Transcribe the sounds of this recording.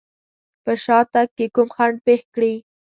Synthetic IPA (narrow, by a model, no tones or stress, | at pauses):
pəʃɑt̪ak̚kːekumxaɳɖ̚pexkɽi